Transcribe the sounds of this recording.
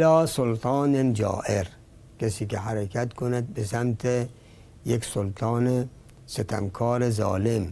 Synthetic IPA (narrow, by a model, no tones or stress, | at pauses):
lɒːsolt̪ʰɑːnend͡ʒɒ̰ːʔeɾ | kʰesiːkeɦæɾekʰæt̪kʰonæd̪̚besæmt̪ʰe | jeksolt̪ʰɑːne | set̪ʰæ̰mkʰɒːɾezɒ̰ːlem